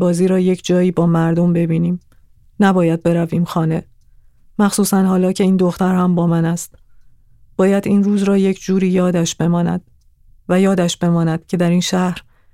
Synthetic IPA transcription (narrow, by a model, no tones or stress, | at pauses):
bɒːziːɾɒːje̞cʰd͡ʒɒːjiːbɒːmæɾd̪o̞mbe̞biːniːm | næbɒːjæd̪̚be̞ɾæviːmxɒːne̞ | mæxsuːsænhɒːlɒːcʰe̞iːnd̪o̞xt̪æɾhæmbɒːmænæst̪ | b̥ɒːjæd̪iːnruːzɾɒːje̞cʰd͡ʒuːɾiːjɒːd̪æʃb̥e̞mɒːnæ̰d̪̥̚ | væjɒːd̪æʃb̥e̞mɒːnæd̪̥cʰe̞d̪æɾiːnʃæhɾ